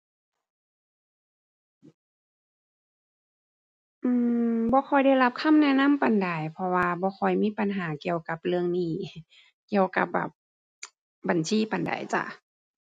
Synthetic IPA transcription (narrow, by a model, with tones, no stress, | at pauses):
ʔɯː˧˨bɔː˧˦xʰɔ˧˩jda˧˩˨jla˧˦˥p̚kʰa˧˥˨mnɛ˧˥˨na˧˥˨mpa˨˩nda˨˩jpʰɔ˧waː˧bɔː˧˦xɔ˧˩jmiː˧˥˨pa˨nɦaː˨˩˦ki˧˨əwka˧˦p̚lɯ˧əŋniː˧˩ | ki˧˩əwka̰˧˦p̚ba̰˨˩p̚ | ba˨˩nsʰiː˧˨pa˨nda̰˨˩jt͡ɕa̰˧˩ʔ